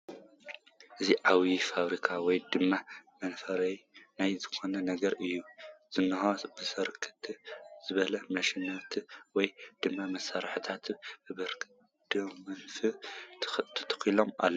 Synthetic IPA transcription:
ʔɨziʕawifaβɾikʰawɔjd̪ɨmːamɐnfɐɾɐjnajzɨkʰo̞nɐnɐɡɐɾɨjːuz̥ɨnːɨɦobɨsɐɾkʰɨ̥t̪ʰz̥ɨβɐlɐmɐʃinɐt̪ʰwɔjd̪̥ɨmːamɐsːaɾħɨt̪ʰat̪bɨbɐɾ | d̪̥omɐnfɨ | t̪ʰɨ̥t̪ʰkilo̞ma̰lːɐ

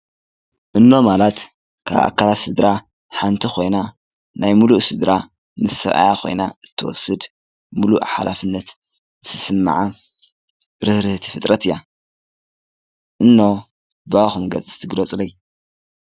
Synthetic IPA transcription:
ʔɨnːo̞malat̪ | kʰa̰βʔa̰kʰːalat̪sɨd̪ɾa | ħant̪ʰixʰo̞jna | najmuluʔsɨd̪ɾa | mɨsɐ̰ʔa̰jaxʰo̞̰jnaɨt̪ʰːɨwɔ̰sːɨd̪ | muluʔħa̰lʔafɨnːɐt̪ | zɨt̪ʰɨsɨmːa̰ʕa | ɾɨhɾɨht̪ʰi̥fɨt̪ʼɾɐt̪ʰɨjːa | ʔɨnːo̞ | baxumɡɐt͡sʼɨɨ̥t̪ʰɨɡɾɐt͡sʼloj

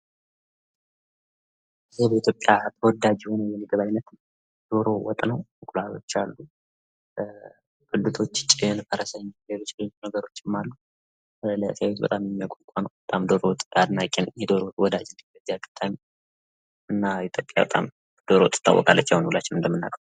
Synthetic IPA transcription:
ɨzibəit̪ʰjo̞pʼjat̪ʰəwɔd̪ad͡ʒiho̞nəjɛmiɡəβajnːət̪ | d̪̥o̞ɾo̞wɔt̪ʼnəwmɨkʼlat̪o̞̰t͡ʃːalːu | kʼɨd̪ɨt̪ʰo̞t͡ʃːt͡ʃʼɪnfəɾəsəɲːjɛlot͡ʃːloɲːnəɡəɾo̞t͡ʃːɪmːalːu | ljəasəwet̪bə̰t̪ʼamjɛmːijakʷʼokʷʼanəwbət̪ʼamd̪oɾowt̪ʼad̪nakʼːɛnjɛd̪oɾowɔd̪ad͡ʒnbəziaɡɨ̥t̪ʰːaɲ | ɨnːaiit̪ʰjopʼja̰bə̰t̪ʼa̰m | d̪̥oɾowt̪ʼːɨ̥t̪ʰːa̰wːɔ̰kʼa̰lːət͡ʃːəwnwulat͡ʃːɪnɨnd̪əmːɨnːa̰kʼəw

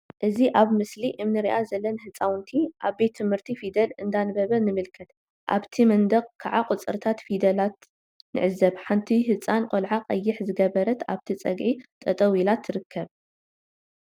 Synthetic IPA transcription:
ʔɨziʔaβmɨsliʔɨmnɨɾiʔazɐlːɐnhɨt͡sʼawnt̪ʰiʔaβbet̪ʰːɨmhɨɾt̪ʰifid̪ɐlɨnd̪anɨbɐβɐnɨmɨlkʰɐt̪ | ʔa̰βt̪ʰimɐnd̪ɐɡkʰaʕaqʼʊt͡sʼɨɾt̪ʰat̪fid̪ɐlat̪ | nɨ̰ʕɨzɐβħant̪ʰiɦɨt͡sʼankʼolʕaqʼɐjːɪħzɨɡɐβɐɾɐt̪aβt̪ʰit͡sʼɐ̰ɡʕit̪ʼɐt̪ʼɐwilat̪ʰːɨɾɨkʰːɐβ

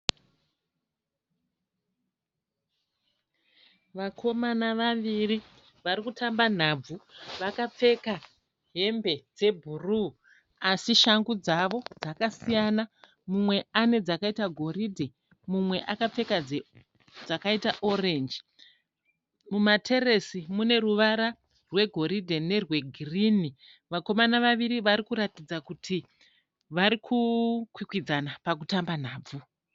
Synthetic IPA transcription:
ʋakʰo̞manaʋaʋiri | ʋaɾikutʰamban̤ab͡vuʋakap͡fe̞ka | ɦe̞mbe̞d͡ze̞bʱuru | asiʃaŋɡud͡zaʋo̞d͡zakasijana | mumwe̞ane̞d͡zakaitaɡʱo̞ridʱe | mumwe̞ʔakap͡fe̞kad͡ze | d͡zakaitaʔo̞re̞nd͡ʒi | mumatʰe̞ɾe̞simune̞ɾuʋaɾa | rwe̞ɡʱo̞ɾidʱe̞ne̞rwe̞ɡʱirini | ʋako̞manaʋaʋiɾiʋaɾikuɾatid͡zakutʰi | ʋaɾikʰukwikwid͡zanapak̬utamban̤aːb͡vu

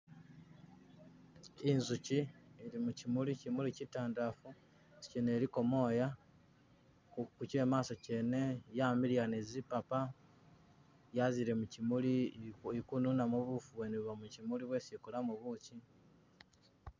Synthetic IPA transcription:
inzuciiɾimucimulicimulicitaːndafu | si̥cene̞ɾiko̞mo̞ja | kuce̞ːmaːso̞cene̞jamilijanezipapa | jaziɾemucimuliikununamuβufuβweneβamucimuliβwe̞sikulamuβuci

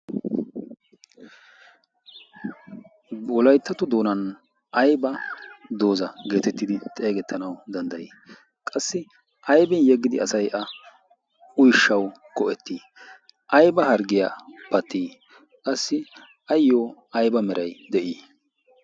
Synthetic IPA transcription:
wɔlɐjt̪ːɐt̪ʊd̪o̞ːnɐn | ʔɐjbɐd̪o̞ːzɐɡe̞ːt̪ɛt̪ːɪd̪ɪt̪ʼeːɡɛt̪ʰːɐnɐwd̪ɐnd̪ɐjiː | kʼɐsːɪ | ʔɐjbɪnjɛɡːɪd̪ɪɐsɐjʔɐ | ʊjʃːɐw | kɔʔɛt̪ʰːiː | ʔɐjbɐhɐɾɡɪja̰pɐt̪ːiː | kʼɐsːɪ | ɐjːoːɐjbɐmɛɾʔɐjd̪ɛʔiː

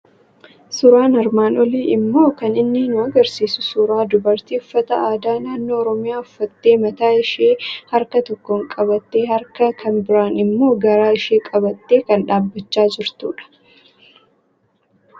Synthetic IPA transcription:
sʊɾaːnɐɾmaːnɔliːɪmːo̞ːkɐnɪnːɪnʊɐɡɐɾsiːsʊsʊɾaːd̪ʊbɐɾt̪iːʊfːɐt̪ɐ̰aːd̪aːnaːnːoːɾɔmɪjaːʊfːɐt̪ːe̞ːmɐt̪aːɪʃeːhɐɾkɐt̪ɔkːɔŋkʼɐβɐt̪ːeːhɐɾkɐkʰɐnbɪɾaːnɪmːo̞ːɡɐɾaːɪʃeːkʼɐbɐt̪ːe̞ːkɐnᶑaːbːɐt͡ʃːaːd͡ʒɪɾt̪ṵːᶑɐ̥

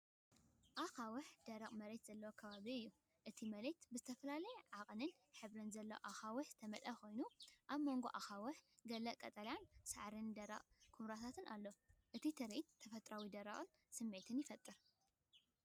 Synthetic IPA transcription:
ʔaxawʊħd̪̥ɐɾɐqʼmɐɾet̪z̥ɐlːɐwokʰɐβaβiɨjːu | ʔɨt̪ʰimɐɾet̪bɨzɨt̪ʰɐfɐlalɐjɛʕaqʼnɨn | ħɨβɾɨnzɐlːɐwʔaxawʊħz̥ɨt̪ʰɐmɐlʔɐko̞jnuʔaβmo̞ŋɡo̞ʔaxawʊħɡɐlɐʔkʼɐt̪ʼɐljansa̰ʕɾɨnd̪ɐɾɐ̰qʼkʰumɾat̪ʰat̪ʰɨnʔalːoʔɨt̪ʰit̪ʰɐɾet̪ʰːɐfɐt̪ʼɾawid̪ɐɾɐ̰χʼɨn | sɨmːet̪ʰɨnjɪfɐt̪ʼːɨɾ

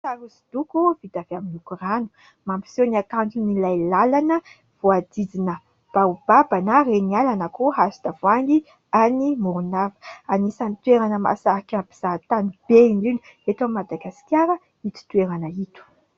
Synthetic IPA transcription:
saɾusi̥d̪ukuvid̪aveaminukuranu̥ | mampi̥seniakantinilajlalanə | v̥uad̪id͡zinə | b̥aub̥abanərenialanəkuɦasid̪avoani | animuɾunavə̥anisanit̪weɾanəma̰saakʲapiz̥at̪anib̥einɖ͡ʐin | et̪amad̪aɡasi̥kʲjaɾə | it̪u̥t̪ueɾanəit̪u̥

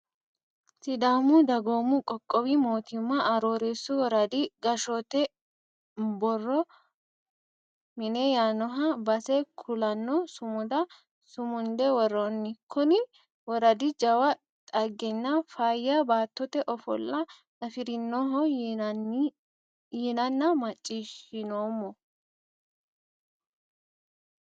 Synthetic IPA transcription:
sɪd̪aːmʊd̪ɐɡoːmʊkʼɔkʼːɔwimo̞ːt̪ɪmːɐʔɐɾoːɾeːsːʊwɔɾɐd̪iɡɐʃɔt̪ɛ | bɔrːɔ | mɪnɛjaːnɔɦɐbɐsɛkʰʊlɐnːɔsʊmʊd̪ɐ | sʊmʊnd̪ɛwɔɾːɔnːɪkʰʊnɪ | wɔɾɐd̪ɪd͡ʒɐwɐ | t̪ʼɐɡːɛnːɐfaːjɐbaːt̪ːɔt̪ɛʔɔfɔ̰lːɐ | nɐfɪɾɪnːɔɦɔ | jɪnɐnːɐmɐt͡ʃʼːiːʃɪnoːmːɔ

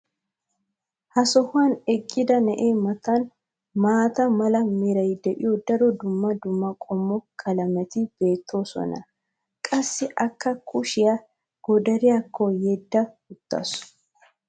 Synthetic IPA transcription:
hɐsɔhʊɐnɛkʼːɪd̪ɐnɛʔeːmɐt̪ɐn | maːt̪ɐmɐlɐmɛɾɐjd̪ɛʔɪjɔd̪ɐɾɔd̪ʊmːɐd̪ʊmːɐkʼɔmːɔkʰɐlɐmɛt̪ɪb̥e̞ːt̪ʰːo̞ːsɔ̰nɐ̰ | kʼɐsːɪʔɐkːɐkʰʼʊʃɪjɐ | ɡ̥ɔd̪ɐɾɪjakʰːɔjɛd̪ːɐhʊt̪ːɐ̰s

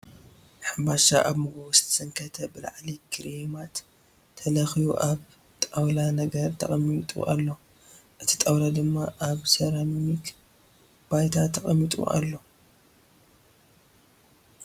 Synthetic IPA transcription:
ħambaʃaʔaβmɨɡoβusɨ̥t̪ʰɐ̥sɨŋkʰɐt̪ʰɐbɨla̰ʕlikʰɨɾimat̪ʰː | ɐlɐxijuʔaβ | t̪ʼawlanɐɡɐɾt̪ʰɐ̰χʼɐmit̪ʼṵʔalːo̞ | ʔɨt̪ʰi̥t̪ʼawlad̪ɨmːaʔaβsɐɾamnik | b̥ajt̪ʰat̪ʰːɐkʼɐmːit̪ʼṵʔa̰lːo̞

